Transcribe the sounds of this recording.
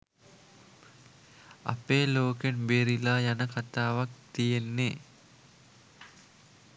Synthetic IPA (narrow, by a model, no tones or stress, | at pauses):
ɐ̰peːloːkenbeɾilaːjanəkat̪aːʋak̚t̪ijenːe